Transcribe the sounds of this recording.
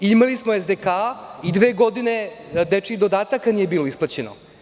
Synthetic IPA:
imalismoezd̪ekaːid̪ʋeːɡo̞d̪ine̞d̪et͡ʂid̪od̪aːt̪akːanije̞biːlo̞isplˠat͡ɕeno̰

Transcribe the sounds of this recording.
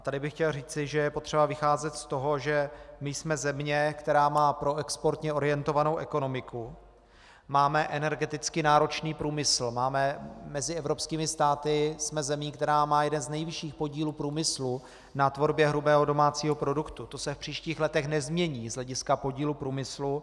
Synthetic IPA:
at̪adɪbɪxcɛlriːt͡sɪʒɛjɛpo̞t̪r̝̥ɛbavɪxaːzɛt̪st̪o̞ɦo̞ʒɛmɪjsmɛzɛmɲɛkt̪ɛɾaːmaːpɾo̞ɛkspo̞ɾt̪ɲɛʔo̞ɾɪjɛnt̪o̞vano̞wʔɛko̞no̞mɪku | maːmɛʔɛnɛɾɡɛt̪ɪt͡skɪnaːɾo̞t͡ʃniːpɾuːmɪsl̩maːmɛmɛzɪʔɛvɾo̞pskiːmɪst̪aːt̪ɪsmɛzɛmiːkt̪ɛɾaːmaːjɛdɛnznɛjvɪʃiːxpo̞ɟiːluːpɾuːmɪslu | nat̪vo̞ɾbjɛɦɾubɛːɦodo̞maːt͡siːɦo̞pɾo̞dukt̪ut̪o̞sɛfpr̥iːʃciːxlɛt̪ɛxnɛzmɲɛɲiːzɦlɛɟɪskapo̞ɟiːlupɾuːmɪslu

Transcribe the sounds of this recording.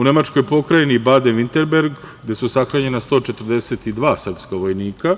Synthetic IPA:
une̞mat͡ʂko̞jpo̞kɾajenibad̪enʋint̪e̞ɾbe̞ɾɡɡd̪e̞susaxɾaːɲe̞nast̪o̞ːt͡ʃet̪r̩d̪e̞set̪id̪ʋaːsr̩pskaʋo̞jniːka

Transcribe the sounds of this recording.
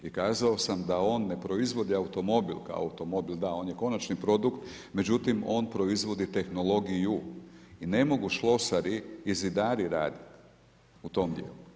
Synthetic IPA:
ikaːzao̞samd̪ao̞ːnːe̞pɾo̞izʋo̞d̪iaut̪o̞mo̞bilka̰o̰a̰ut̪o̞mo̞bild̪ao̞ːnje̞ko̞nat͡ʃnipɾo̞d̪ukt̪ | me̞d͡ʑut̪imo̞ːnpɾo̞izʋo̞d̪it̪e̞xno̞lo̞ɡijuine̞mo̞ɡuʃlˠo̞saɾiːzid̪aːɾiɾa̰ːd̪it̪ | ut̪o̞md̪jḛlu

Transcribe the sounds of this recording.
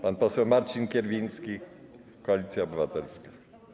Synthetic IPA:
panpɔsɛmaɾt͡ʃinkʲɛɾvʲinski | kɔalit̪siaɔbivat̪ɛlska

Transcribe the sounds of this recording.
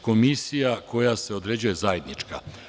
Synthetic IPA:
ko̞misijako̞jase̞o̞d̪ɾe̞d͡ʑuje̞zaje̞d̪nit͡ʃka

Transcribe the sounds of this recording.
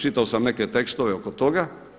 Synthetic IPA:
t͡ʃit̪aosamneket̪ekst̪oʋeokot̪oɡa

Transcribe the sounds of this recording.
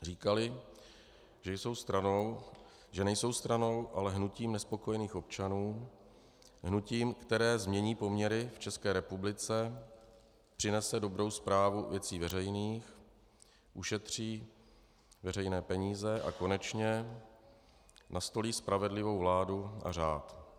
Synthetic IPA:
riːkalɪ | ʒɛjso̞wst̪ɾanow | ʒɛnɛjso̞wst̪ɾano̞wʔalɛɦnuciːmnɛspo̞ko̞jɛniːxo̞p̚t͡ʃanuː | ɦnuciːmkt̪ɛɾɛːzmɲɛɲiːpo̞mɲɛɾɪft͡ʃɛskɛːɾɛpublɪt͡sɛ | pr̥ɪnɛsɛdo̞bɾo̞wspɾaːvuvjɛt͡siːvɛɾɛjniːx | ʔuʃɛt̪r̝̥iː | vɛrɛjnɛːpɛɲiːzɛʔa̰ko̞nɛt͡ʃɲɛ | nast̪o̞liːspɾavɛdlɪvo̞wvlaːduʔa̰raːt̪

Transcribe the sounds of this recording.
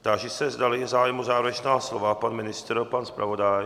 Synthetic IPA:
t̪aʒɛsɛzd̪alizaːjmuzaːvɾɛt͡ʃnaːslɔvapanmɪnɪst̪ɾpanspɾa̰vod̪aj

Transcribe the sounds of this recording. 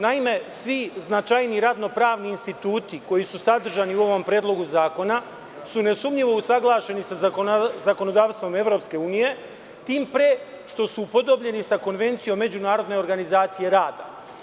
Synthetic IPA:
naime̞sʋiznat͡ʃajniɾad̪no̞pɾaːʋniːnst̪it̪uːt̪iko̞jisusad̪r̩ʒaniuo̞ʋo̞mpɾʲeːd̪lˠo̞ɡuzaːko̞na | sune̞sumʎiʋo̞usaɡlˠaːʃe̞nisazako̞no̞d̪aːʋst̪ʋo̞me̞ʋɾo̞ːpske̞uːnije̞ | t̪iːmpɾe | ʃt̪o̞suːpo̞d̪o̞bʎe̞nisako̞nʋe̞nt̪sijo̞mːe̞d͡ʑunaːɾo̞d̪ne̞oɾɡanizaːt̪sije̞ɾaːd̪a̰

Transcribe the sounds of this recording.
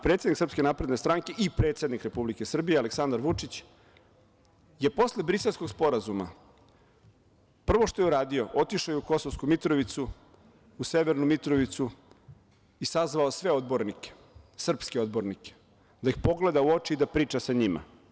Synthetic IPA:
pɾet̪ed̪niksr̩pskʲe̞naːpɾe̞d̪nest̪ɾaŋke̞ʔipɾet̪sed̪nikɾe̞publike̞sr̩bijealeksand̪aɾʋut͡ʂit͡ɕ | je̞po̞slebɾiselsko̞ɡspo̞ɾazuma̰ | pr̩ʋo̞ʃt̪ojuɾaːd̪io̞ʔo̞t̪iʃojɛuko̞sovskumit̪ɾoʋit̪su | use̞ʋeɾnumit̪ɾoʋit̪su | isazʋaosʋe̞od̪bo̞ɾnike̥ | sr̩pskeo̞d̪bo̞ɾnike̥ | d̪aixpo̞ɡle̞d̪auo̞t͡ʃiid̪apɾiːt͡ʃasaɲima̰

